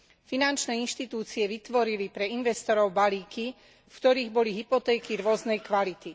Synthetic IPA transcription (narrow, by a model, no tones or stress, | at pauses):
finant͡ʃnɛːinʃt̪it̪uːt͡siɛʋit̪ʋɔɾilipɾɛinʋɛst̪ɔɾɔʊbaliːki | fkt̪ɔɾiːɣbɔliɦipɔt̪ɛːkiɾʊɔznɛjkʋalit̪i